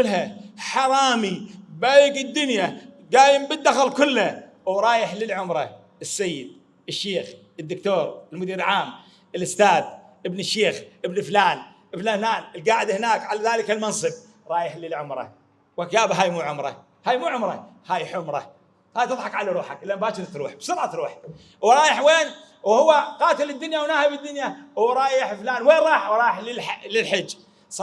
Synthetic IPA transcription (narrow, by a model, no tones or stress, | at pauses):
ʊlɦaħɑɾˤɑːmibaːjɪɡɪd̪ːʊnjaɡaːjɪmbɪd̪ːaxalkʊlːa | wɾˤɑːjɪħlɪlʕʊmɾˤɑ | ɪsːajːɪd̪̚ | ɪʃːeːx | ɪd̪ːʊkt̪oːɾˤɪlmʊd̪iːɾɪlʕaːm | ʔɪlʊst̪aːd̪ | ʔɪbnɪʃːeːxʔɪbnflaːn | ʔɪflaːnaːnɪlɡaːʕɪd̪hɪnaːkʕalaðaːlɪkalmɑnsˤɨb̚ | ɾˤɑːjɪħlɪlʕʊmɾˤɑ̰ | wakjaːbaɦaːjmuːʕʊmɾˤɑ̰ | haːjmuːʕʊmɾˤɑ̰haːjħʊmɾˤɑ̰ | haːjt̪ɨðˤħɑqʕalaɾuːħakʔɪlːambaːʃɪɾt̪ɾuːħbsˤʊɾʕat̪ɾuːħ | wɾˤɑːjɪħweːn | whʊwːaqɑːt̪ɪlɪd̪ːʊnjawnaːhɪbɪd̪ːʊnjawɾˤɑːjɪħflaːnweːnɾˤɑːħwɾˤɑːjɪħlɪllɪlħɪd͡ʒː | sˤ